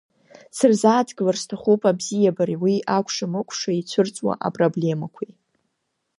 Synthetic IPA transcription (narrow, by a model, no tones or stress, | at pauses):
sɨrzaːtʰɡlarstʰaχupʼabzijabaɾiwiʔakʷʰʂamɨkʷʰʼʂait͡sʷʰʊrt͡sʼwa̰ʔa̰pʼroble̞makʷʰi